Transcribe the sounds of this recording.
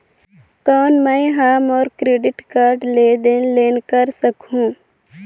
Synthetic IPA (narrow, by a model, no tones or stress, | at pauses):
kɔːnmə̃jɦaːmɔːɾkɾeːɖɪʈkaːɾɖleːd̪eːnleːnkəɾsəkɦũː